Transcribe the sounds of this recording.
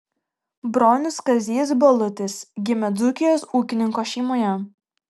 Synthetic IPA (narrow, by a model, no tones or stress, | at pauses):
bɾoːnʲʊskɐzʲiːs̬bɐlˠʊt̪ʲɪsɡʲɪmʲɛd̪zʊkʲɪjoːsuːkʲɪnʲɪŋkoːʃʲɛɪmoːjɛ